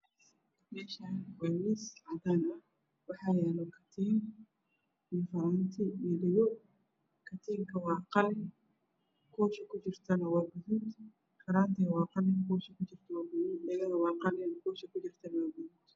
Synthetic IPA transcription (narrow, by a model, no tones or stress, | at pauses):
mɛːʃaːnwawisʕɑd̪aːnɐ | wɑħɑːjɛːlɔkʰɐ̥t̪ʰiːŋ | ɪfɐɾant̪ʰɪilɪɣɔ | kʰɐt̪ʰiːŋkʰɐwɑːqɑlɛ | kʰɔːʃɐkʰʊt͡ʃɪrt̪ʰɐnɐwɑːbʊðuːd̪ | kʰɐɾaːnt̪ʰɛwɑːqɑlɪkɔːʃɐkʊt͡ʃɪr̥t̪ʰɐwaːbʊðuːd̪ɛɣɐɣɐwɑːqɑlɛnɐkʰɔːʃɐkʊt͡ʃɪrt̪ʰɐnɐwaːbʊðuːd̪